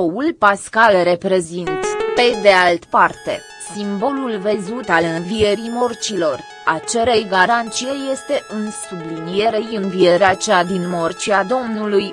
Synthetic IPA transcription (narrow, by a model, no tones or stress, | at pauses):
oulpaskalre̞pɾe̞zint̪pe̞d̪e̞alt̪part̪e̞̰ | simbo̞lulvezut̪alɨnvie̞ɾimo̞rt͡ʃilo̞r | at͡ʃe̞ɾejɡaɾant̪sijeje̞st̪e̞ʔɨnsublinije̞ɾejɨnvije̞ɾeat͡ʃad̪inmo̞rt͡ʃiad̪o̞mnuluj